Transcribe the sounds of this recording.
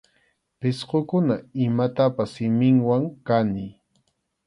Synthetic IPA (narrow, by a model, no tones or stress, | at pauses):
pɪsqokʊnaɪmat̪apasːɪmɪŋwaŋkanɪ